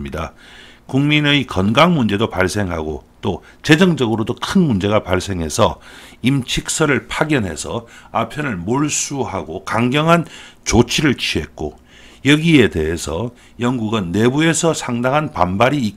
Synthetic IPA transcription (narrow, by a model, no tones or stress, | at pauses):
mɲida | kuŋmineikʌnɡaŋmund͡ʑe̞dopaɭs͈e̞ŋɦa̰ɡo̰t͈o | t͡ɕe̞d͡ʑʌŋd͡ʑʌɡɯɾodokʰɯnmund͡ʑe̞ɣapaɭs͈e̞ŋɦe̞sʰʌimt͡ɕʰik̚s͈ʌɾɯɭpʰaɡjʌnɦe̞̰sʰʌapʰjʌnɯɭmoɭs͈uɦaɡokaŋɡjʌŋɦant͡ɕot͡ɕʰiɾɯɭt͡ɕʰie̞̰t̚k͈o̰ | jʌɡie̞de̞ɦesʰʌ | jʌŋɡuɡɯnːe̞bue̞sʰʌsʰaŋdaŋɦanpa̰nbaɾiː